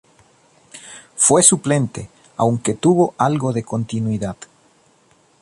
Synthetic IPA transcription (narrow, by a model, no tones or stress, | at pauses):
fwesuplent̪e | a̰wŋket̪uβoʔalɣoðekont̪inwiðað̥